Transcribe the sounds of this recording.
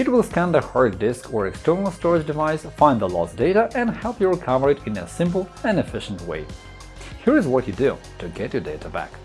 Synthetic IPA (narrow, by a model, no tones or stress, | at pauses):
ɨt̚wɪlˠskæ̃nəhɜɹd̚dɪskʰə˞ɛkstʰɜ˞nl̩ˠstɔɹɪd͡ʒdɨvaɪsfãɪ̃nðəlɔ̰sd̥eɪɾəʔɨ̃nhɛlˠpjəɹɪkʰʌvə˞ɨɾɨ̃nə̰sɪ̃mp̬l̩ˠɨ̃nɨfɪʃn̩twḛɪ | hiɹɨzwʌt͡ʃɨdʉ | tʰɨɡɛt͡ʃə˞deɪɾəbæ̰k